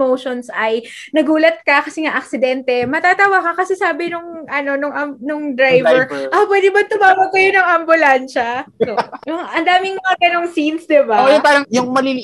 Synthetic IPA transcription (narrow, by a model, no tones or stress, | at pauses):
mowʃonsʔɐjnɐɡuːlɐt̪̚kɐkɐsɛŋaʔɐk̚sɪd̪ɛnt̪ɛmɐt̪aːt̪ɐwakɐkɐsɛsaːbɪnʊŋʔɐno̞nʊŋʔɐmnʊŋd̪ɾajvɛɹʔɐpwɛːd̪ɪbɐnt̪ʊmaːwɐɡ̚kɐjo̞nɐŋɐmbʊlanʃɐ | jʊŋʔɐnd̪aːmɪŋmɐŋaɡɐno̞ŋsinsd̪ɪbaojʊpaːɾɐŋjʊŋmɐlili